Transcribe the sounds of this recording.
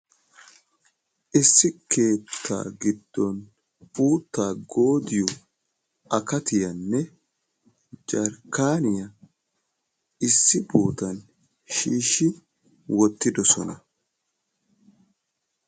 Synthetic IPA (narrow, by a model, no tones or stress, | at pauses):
ʔɪsːɪkʰe̞ːt̪ʰːa̰ːɡɪd̪ːɔn | uːt̪ːaːɡo̞ːd̪ɪjɔ | ɐkɐt̪ɪjɐnːɛ | d͡ʒɐɾkaːnɪjɐ | ɪsːɪbuːt̪ɐn | ʃiːʃːɪ | wɔt̪ːɪd̪ɔsɔ̰nɐ